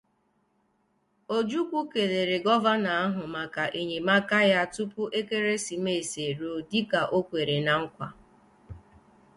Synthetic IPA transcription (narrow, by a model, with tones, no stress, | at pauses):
o˦d͡ʒu˦kʷu˦ke˨ðe˨ɾe˨ɡɔ˦va˦na˨a˦ɦʊ˨ma˨ka˨ʔe˨ɲe˨ma˦ka˦ja˦tu˦pʊ˦ʔe˦ke˦ɾe˦si˨me˦˨e˨se˨ɾo˨dɪ˦ka˨ʔo˦kʷe˨ɾe˨na˨ŋ̩˦kʷa̰˨